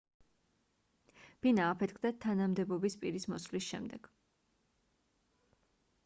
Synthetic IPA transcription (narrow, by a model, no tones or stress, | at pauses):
b̥inaːpʰɛt̪̚ʰkʰd̪at̪ʰanamd̪ɛbɔbispʼiɾismɔslisʃɛ̰md̪ɛɡ̥